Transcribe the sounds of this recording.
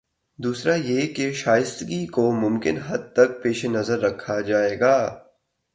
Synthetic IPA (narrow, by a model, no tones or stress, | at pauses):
d̪uːsɾajeːkeʃaːjɪst̪ɡikomʊ̃mkɪnɦɐd̪̚t̪ɐk̚peːʃenɐzəɾːɐkʰːad͡ʒaːeːɡaː